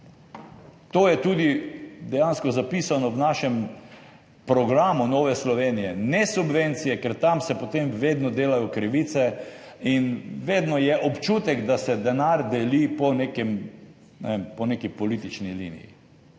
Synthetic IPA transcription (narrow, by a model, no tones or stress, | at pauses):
t̪oːjɛt̪uːd̪id̪ɛjanskɔzapisanɔwnaʃɛm | pɾɔɡɾaːmunɔːʋɛslɔʋenijɛnɛsubʋent̪sijɛkɛɾt̪amsɛpot̪emʋeːd̪nɔd̪eːlajɔkɾiʋit̪sɛinʋeːd̪nɔjɛʔɔpt͡ʃuːt̪ɛɡd̪asɛd̪ɛnaɾd̪ɛlipɔnekɛm | nɛempɔnekipɔliːt̪it͡ʃnilḭnḭjḭ